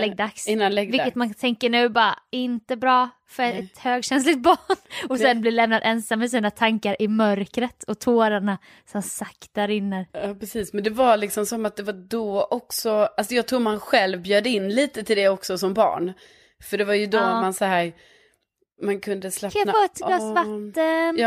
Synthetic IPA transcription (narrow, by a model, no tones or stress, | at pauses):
lɛɡ̚d̪aksɪnːanlɛɡvɪkːət̪mant̪ʰɛŋkəɳʉ̟ːbɑːɾaɪnt̪əbɾɑː | fœɾɛt̪høːɡɕɛns̬lɪɡt̪̚bɑːɳɔsɛnblɪlɛmnad̪ɛnsamːɛs̬iːnat̪ʰaŋkaɾʔɪmœɾkɾət̪ʰɔt̪ʰoːɾaɳa | sɔmsakt̪̚d̪aɾɪnːəɾɑːpʰɾɛsiːsmɛnd̪ɛvalɪksɔmsɔmat̪̚d̪ɛvaɖɔʔɔksɔalsɔjɑːt̪ʰɾuːmanɧɛlvbjøːd̪əɪnːliːt̪ət̪ʰɪld̪ɛɔksɔsɔmbɑ̰ːɳ | fœɖɛvaɾjɵd̪oamansahæːɾ | mankʰɵnd̪əslɛnfɔːɛt̪lɑːsvatt̪ːənː